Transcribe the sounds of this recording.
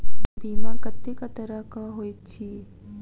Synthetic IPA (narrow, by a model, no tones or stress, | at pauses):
biːmãkət̪ːikətk̪əɾakaɦoit͡ʃʰi